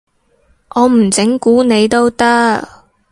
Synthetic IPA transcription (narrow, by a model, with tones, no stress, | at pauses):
ʔɔː˨˧m̩˨˩t͡sɪ˨˥ŋkuː˨˥ne˨˧jt̪o˥wt̪ɐ˥k